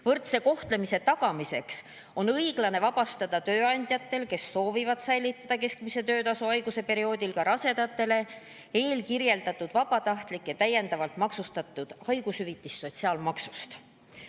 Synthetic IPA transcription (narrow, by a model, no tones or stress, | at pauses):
vɤrt̪seko̞ht̪le̞mise̞t̪ɑɡ̥ɑmise̞ks | o̞nɤjɡ̥lɑne̞vɑbɑst̪ɑd̪̥ɑt̪ø̞ːɑnʲd̪̥ʲjɑt̪ːˑe̞lke̞sːo̞ːvivɑd̪sæjlit̪ːˑɑd̪̥ɑke̞skmise̞t̪ø̞ːt̪ɑsuɑjɡuse̞pe̞ɾio̞ːd̪̥ʲilkɑɾɑse̞d̪̥ɑt̪ːˑe̞le̞ | e̞ːlkirje̞ld̪̥ɑt̪ːˑud̪̥vɑb̥ɑt̪ɑht̪likːjɑt̪æje̞nd̪ɑvɑlt̪mɑksust̪ɑt̪ˑːud̪̥ɑjɡ̥ushyvit̪ːˑist̪so̞t̪ʲsiɑːlmɑksu̥st̪